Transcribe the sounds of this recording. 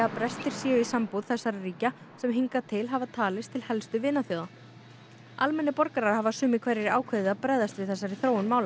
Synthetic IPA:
apɾɛst̪ɪɾ̥sjɛːjʏisampuð̥θɛsːaɾariːca | sɛmɦiŋkat̪ʰɪlɦavat̪ʰaːlɪst̪ʰɪlhɛlst̪ʏvɪːnaθjoːwða | almɛnːɪpɔɾkaɾaɾ̥havasʏːmɪkʰvɛɾɪɾaːwkʰveðɪaðpɾɛjðast̪vɪðθɛsːaɾɪθɾoːwʏnmaːwla

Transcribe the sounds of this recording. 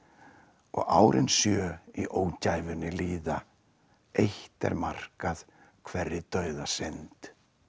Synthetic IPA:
ɔ̰ɣa̰ːwɾʔɪnsjœːiʔoːwcaːjvʏnːɪliːða | ejht̪ɛ̰ɾmar̥kað̥ | kʰvɛrːɪt̪œːɥðasent̪

